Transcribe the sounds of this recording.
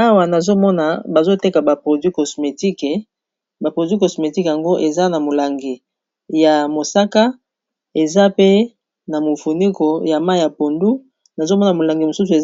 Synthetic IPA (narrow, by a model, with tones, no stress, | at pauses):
a˦wa˨na˨zo˦mɔ˦na˨ba˨zo˦te˦ka˨ba˨pʁo˨dɥi˦kɔ˨sme˨ti˦k | ba˨pʁo˨dɥi˦ko˨sme˨ti˦kja˨ŋɡo˦ʔe˨za˦na˨mo˨la˨ŋɡi˨ | ja˨mo˨sa˦ka˦ | e˨za˦pe˦ | na˨mo˨fu˨ni˦ko˨ja˨ma˦˨ja˨po˨ndu˦ | na˨zo˦mɔ˦na˨mo˨la˨ŋɡi˨mo˨su˦su˨e˨